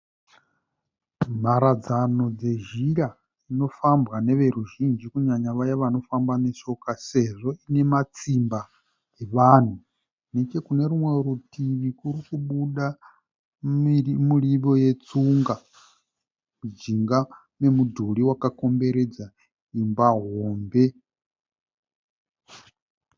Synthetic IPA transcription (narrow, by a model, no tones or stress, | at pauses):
m̤aɾad͡zano̞d͡ze̞ʒiɺa | ino̞fambɣane̞ʋe̞ɾuʒind͡ʒikuɲaɲaʋajaʋano̞fambaneso̞kaseʐo̞ine̞mat͡simba | eʋaːn̤u | nekekune̞ɾumwe̞ɾutʰiʋikuɾikuɓuɗa | muɺiβo̞jet͡suŋɡa | mud͡ʒiŋɡa | me̞mudʱuɺiwakako̞mbe̞ɾed͡za | imbaɦoːmbe̞